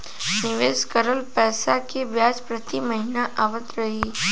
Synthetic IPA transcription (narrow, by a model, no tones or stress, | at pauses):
nɪʋeːskəɾəlpɛːsakeʋjaːd͡ʒpɾɐt̪iməɦinaʔaːʋət̪ɾɐɦi